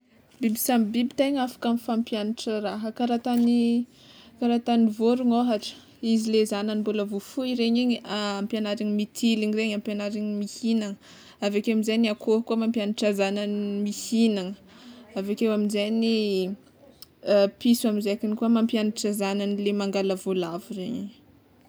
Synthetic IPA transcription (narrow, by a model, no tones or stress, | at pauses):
bibisambibit̪aɲafḁkamifampjanaʈ͡ʂəraɦəkaɾat̪ani | kaɾat̪anivoɾuŋoɦaʈ͡ʂə̥ | izilezananimbuləvufuiɾeɲiɲampjanaɾiɲimit̪ʰiliŋireɲampjanaɾiɲmihinaŋə | avakewamizajniakʰoɦkuəmampjaniʈ͡ʂazananmihinaŋəavakewaminzejni | pisaminzeakinikuəmampjanaʈ͡ʂazananilemaŋɡaləvolavureɲeɲ